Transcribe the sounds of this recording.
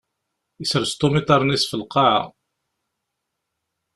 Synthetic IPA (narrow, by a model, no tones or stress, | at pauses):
isəɾst̪omit̪ˤɑɾˤnisfəlqːɑʕa̰